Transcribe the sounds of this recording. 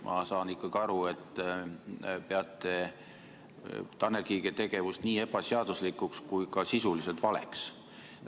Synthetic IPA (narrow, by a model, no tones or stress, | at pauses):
mʔɑ̰sɑːnikːˑɑɡ̥iɑɾue̞t̪ː | pe̞ɑt̪ːˑe̞ | t̪ɑnekiːɡet̪e̞ɡ̥e̞vust̪niːe̞b̥ɑseɑd̪̥uslikukskujkɑsisulise̞lt̪vɑlḛks